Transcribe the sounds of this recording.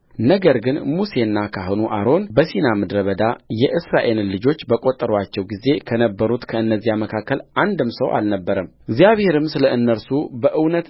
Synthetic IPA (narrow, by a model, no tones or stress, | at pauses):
nəɡəɾɡɨnmuse̞nːakʰaɦonuʔaɾo̞nbəsinamɨd̪ɾəβəd̪ajɛʔɨsɾaʔe̞llɨd͡ʒo̞t͡ʃːbəkʼo̞t̪ʼːəɾwat͡ʃːɛwɡize̞kʰənəbːəɾut̪kʰəɨnːəzːijaməkʰakːəland̪ɨmsəwʔa̰lnəbːəɾəm | ɪɡzijaβhe̞ɾɨmsɨləɨnːəɾsubəʔɨwnət̪